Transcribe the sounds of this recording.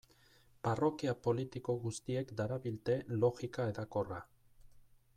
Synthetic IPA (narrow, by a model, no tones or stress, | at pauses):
paro̞kiapo̞lit̪iko̞ɣust̪ie̞kd̪aɾaβilt̪e̞lo̞ɣikaeðako̞ra